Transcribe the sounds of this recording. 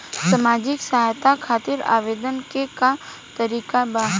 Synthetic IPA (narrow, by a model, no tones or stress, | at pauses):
samaːd͡ʒɪksɐɦaːjt̪akʰaːt̪ɪɾa̰ːʋeːd̪ənkekat̪ɐɾiːkabaːɦ